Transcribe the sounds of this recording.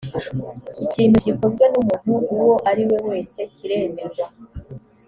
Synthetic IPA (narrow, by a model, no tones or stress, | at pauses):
iciːn̥huɟiko̞zɡwe̞numun̥huːwo̞ʔaɾiwe̞we̞ːse̞ciɾe̞ːmeɾwa